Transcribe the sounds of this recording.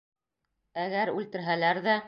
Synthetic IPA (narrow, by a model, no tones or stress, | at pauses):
æɣæɾʉlt̪ɘ̆ɾɦælæɾðæ